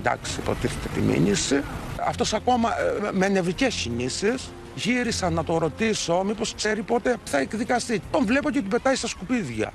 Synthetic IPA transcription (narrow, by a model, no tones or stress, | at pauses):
d̪ɐ̰ksipo̞̰t̪iθet̪e̞t̪imḭnisiɐ̰ft̪o̞sɐko̞mɐmene̞vɾicescinisis | ʝiɾisɐnːɐt̪o̞ɾo̞t̪iso̞mipo̞skse̞ɾipo̞t̪e̞θɐekðikɐst̪it̪o̞ɱvle̞po̞cet̪ibe̞t̪ɐist̪ɐskupiðʝɐ̰